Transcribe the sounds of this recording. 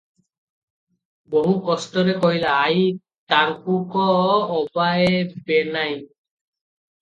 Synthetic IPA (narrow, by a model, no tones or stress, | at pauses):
boɦukɔstɔɾekɔɦilaːj | t̪aŋkukɔːbaebenaj